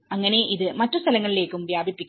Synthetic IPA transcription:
ɐŋːɐne̞ʔiðɨmɐtːust̪ʰɐlɐŋːɐɭile̞ːkːumʋjaːbʱipːikʲː

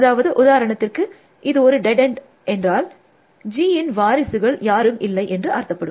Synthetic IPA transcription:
ɐðaːʋɐðɯʔʊðaːɾɐɳɐt̪ːɪrkɯ | ʔɪðɯɔɾɯɖɛɖɛɳɖ | ʔɛndraːl | d͡ʒiːɪnʋaːɾɪsɯɣɐɭjaːɾɯmɪlːɐɪʔɛndrɯʔaːɾt̪ːɐpːɐɽɯm

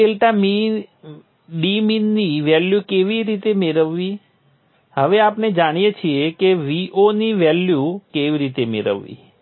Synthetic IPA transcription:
elʈami | ɖiminːiʋɛljukeʋiɾit̪emeɾəʋːi | ɦəʋeapned͡ʒaɽ̃ijet͡ʃʰiekeʋiʔoniʋɛljukeʋiɾit̪emḛɾə̰ʋːḭ

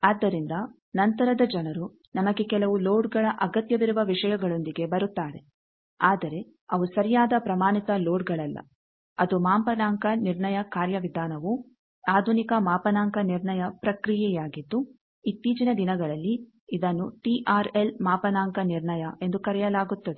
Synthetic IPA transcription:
aːd̪ːɐɾind̪ɐ | nɐnt̪ɐɾɐd̪ɐd͡ʒɐnɐɾu | nɐmɐɡe̞kɛlɐʋuloːɖɡɐɭɐʔɐɡɐt̪jɐʋiɾuʋɐʋiʂɐjɐɡɐɭo̞nd̪iɡe̞bɐɾut̪ːaːɾe̞ | aːd̪ɐɾe̞ | ɐʋusɐɾijaːd̪ɐpɾɐmaːnit̪ɐloːɖɡɐɭɐlːɐ̰ | ɐd̪umaːmpɐnaːŋkɐniɾɳɐjɐkaːɾjɐʋid̪ʱaːnɐʋu | aːd̪ʱunikɐmaːpɐnaːŋkɐniɾɳɐjɐpɾɐkɾijɛjaːɡid̪ːu | it̪ːiːd͡ʒinɐd̪inɐɡɐɭɐlːi | id̪ɐnːuʈiʔaːɾe̞lmaːpɐnaːŋkɐniɾɳɐjɐʔe̞nd̪ukɐɾɛjɐlaːɡut̪ːɐd̪e

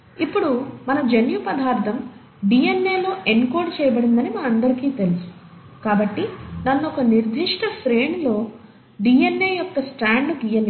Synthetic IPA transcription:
ipːuɽumɐnɐd͡ʒenjupɐd̪aːɾt̪ʰɐm | ɖiːenːe̞ːlo̞ːʔeɳkoːɾɖt͡ʃɛːjɐbɐɽind̪ɐnimaːɐnd̪ɐɾikiːt̪elusu̥ | kaːbɐʈːinɐnːɔkɐniɾd̪ʱiʂʈɐsɾe̞ːɳlo̞ː | ɖiːenːeːjɔkːɐsʈaːɳɖuɡijɐn

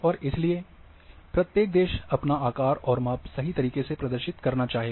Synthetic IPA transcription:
ɔːɾɪslie | pɾɐt̪jeːk̚d̪eːʃɐpnaaːkaːɾɔːɾmaːpsɐɦit̪ɐɾiːkesepɾɐd̪əɾʃɪt̪kɐɾnat͡ʃaːɦeː

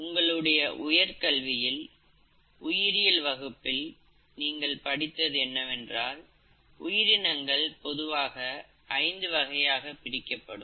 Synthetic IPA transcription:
ʊŋɡɐɭɯɽɐjɐʔʊjɐɾkɐɭʋɪjɪl | ʊjɪɾɪjɪlʋɐɣɯpːɪl | niːŋɡɐɭpɐɽɪt̪ːɐðɯɛnːɐʋɛndraːl | ʊjɪɾɪnɐŋɡɐɭpɔðɯʋaːɣɐ | ʔɐɪnd̪ɯʋɐɣɐjaːɣɐpːɪɾɪkːɐpːɐɽɯm

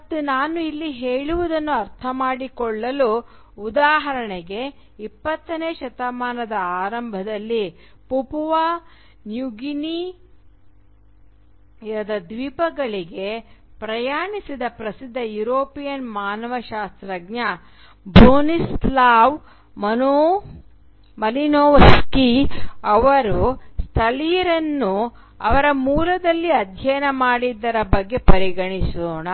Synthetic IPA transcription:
ɐt̪ːunaːnuilːiɦeːɭuʋud̪ɐnːuɐɾt̪ʰɐmaːɽikɔɭːɐlu | ud̪aːɦɐɾɐɳeɡe̞ | ipːɐt̪ːɐneːʃɐt̪ɐmaːnɐd̪ɐaːɾɐmbʱɐd̪ɐlːi | pupuʋa | njuɡini | ɐd̪ɐd̪ʋiːpɐɡɐɭiɡe̞pɾɐjaːɳisid̪ɐpɾɐsid̪ʱːɐjuɾoːpijɐnmaːnɐʋɐʃaːst̪ɾɐɡnɐ | bɾoːnislaːʋ | mɐno | mɐlinoːʋɐskiɐʋɐɾust̪ʰɐlijɾɐnːu | ɐʋɐɾɐmuːlɐd̪ɐlːiɐd̪ʱjɐjɐnɐmaːɽid̪ːɐɾɐbɐɡːe̞pɐɾiɡɐɳisoːɳɐ

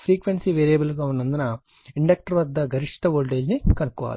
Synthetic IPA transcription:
pɾiːkʋensiːʋeːɾijɐbɐlɡaːunːɐnd̪unɐ | iɳɖɐk̚ʈɐɾʋɐd̪ːɐɡʱɐɾiʂʈɐʋoːlʈeːd͡ʒnikɐnukːuʋa̰ːli

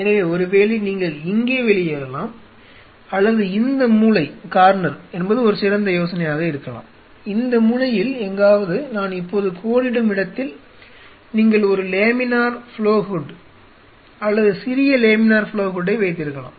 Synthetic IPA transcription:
ɛnɐʋeːɔɾɯʋeːliniːŋɡɐɭɪŋɡeːʋɛɭɪjeːɾɐlaːm | ɐlːɐðɯɪnd̪ɐmuːlɐɪkaːɾnɐɾɛnbɐðɯɔɾɯsɪɾɐnd̪ɐjoːsɐnɐjaːɣɐɪɾɯkːɐla̰ːm | ɪnd̪ɐmʊlɐjɪlɛŋɡaːʋɐðɯnaːnɪpːoːðɯkʰoːɽɪɽɯmɪɽɐt̪ːɪl | niːŋɡɐɭɔɾɯleːmɪnaːɾfɪɭoːhʊɖ | ɐlːɐðɯsɪɾɪjɐleːmɪnaːɾfɪɭoːɦʊɖːɐɪʋɐɪt̪̬ːɪɾɯkːɐla̰ːm

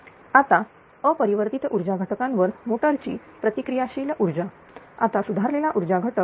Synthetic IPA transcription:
at̪a | əpəɾiʋəɾt̪it̪ʔuɾd͡ʑaɡʱəʈəkãnʋəɾmoʈəɾt͡ɕḭː | pɾət̪ikɾijaɕilʔuɾd͡ʑa | a̰t̪asud̪ʱaɾlelaʔuɾd͡ʑaɡʱəʈək̚

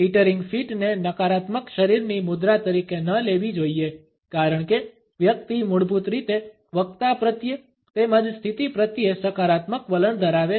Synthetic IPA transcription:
iʈəɾiŋɡfʰiʈnenəkaɾat̪məkʃəɾiɾnimʊd̪ɾat̪əɾikenəleʋid͡ʒoie | kaɾəɳ̃ke | ʋjəkt̪imʊɽbʱut̪ɾit̪e | ʋək̚t̪apɾət̪jə | t̪emãd͡ʒst̪ʰit̪ipɾət̪jesəkaɾat̪məkʋələɳd̪ʱəɾaʋe

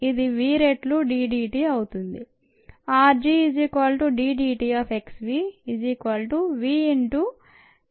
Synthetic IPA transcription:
id̪iʋiːɾeʈluɖiːɖiːʈiːɐwut̪und̪i | aːɾd͡ʒiːid͡ʒikʋaːlʈuɖiːɖiːʈiːaːfʰeksʋiːd͡ʒikʋaːlʈuʋiːiɳʈu

